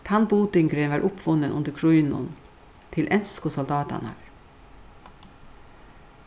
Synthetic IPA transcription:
t̪ʰɑnbuːt̪ʏŋkɾɪnʋɑːʔʊpʰʋʊnənʔʊ̰nd̪əkʰɹʊʏnʊ̰n | t̪ʰɪlʔɛnskʊsɔld̪ɑːt̪ɑ̰nɑ̰ɹ

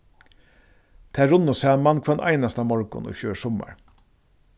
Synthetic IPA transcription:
t̪ʰæːɹʊnʊsɑːmankʰvaːnʔæ̰ɪnast̪ɑːmɔɹkʊ̰nɔ̰fjøːɹsɔma̰ɹ

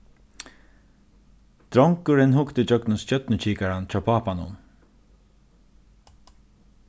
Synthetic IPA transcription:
d̪̥ɾɔŋkʊɾɪnhʊkt̪ɪd͡ʒœknʊnst͡ʃœt̪nət͡ʃʰiːkaɹant͡ʃʰaːpʰaːpanʊ̰n

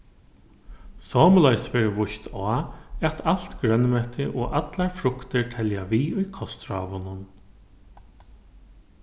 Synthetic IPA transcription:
sɔːməlɔjsʋɛːɹʋʊʃt̪ʰɔːɛt̪ʰal̥t̪ɡɾœnmɛt̪ʰɪʔɔːʔat̪laɹfɾʊkt̪ɪɹʈ̪ʰɛljaʋiːʊjkʰɔst̪ɾa̰ːʋʊnʊn

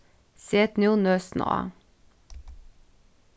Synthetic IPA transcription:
seːt̪njuːnøːsn̰ɑ̰ː

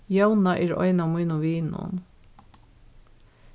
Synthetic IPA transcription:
jawnaʔɛːɹɔ̰jnamujnʊʋiːnʊ̰n

